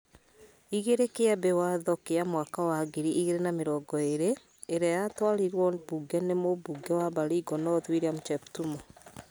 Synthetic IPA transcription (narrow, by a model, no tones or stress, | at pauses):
iɣeɾekeabewaðɔkeamwakawaɡeɾiʔiɣeɾenameɾɔːɡɔeɾeː | ɾeajatwaɾiɾwɔbuɡɛnemobuɡɛwabaɾiɡɔnɔðwiɾeamt͡ʃɛptumɔ